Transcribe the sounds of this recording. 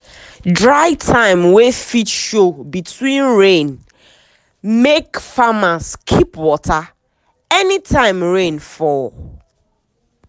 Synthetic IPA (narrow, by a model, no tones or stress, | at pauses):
dɹaɪtʰãɪ̃mwefitʃobitʰwĩnɹẽn | mekfamaskʰipwɔtʰa | ɛnitʰãɪ̃mɹẽnfɔl